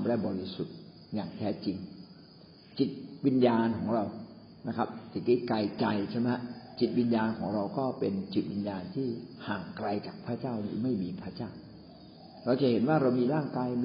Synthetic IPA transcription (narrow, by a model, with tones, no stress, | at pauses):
m˧aː˥˩jbɔː˧ɾi˦˥su˨˩t̪̚ | jaː˨˩ŋt̪ʰɛː˦˥t͡ɕi˧ŋ | t͡ɕi˨˩t̪̚wi˧njaː˧nkʰɔː˩˦ŋɾa˧w | na˦˥kʰa˦˥p̚si˨˩˦t̪ʰiː˥˩ka˧jt͡ɕa˧jt͡ɕʰe˥˩ma˦˥t͡ɕi˨˩t̪̚wi˧njaː˧nkʰɔː˩˦ŋɾa˧wkɔː˥˩pe˧nt͡ɕi˨˩t̪̚wi˧njaː˧nt̪ʰiː˥˩haː˨˩ŋkɾa˧jt͡ɕaː˨˩k̚pʰɾaː˥˩t͡ɕaː˥˩wnɯː˨˩˦ma˥˩jmiː˧pʰaː˥˩t͡ɕaː˥˩w | ɾa˧wt͡ɕa˨˩he˩˦nwaː˥˩ɾa˧wmiː˧ɾaː˥˩ŋkaː˧jn˧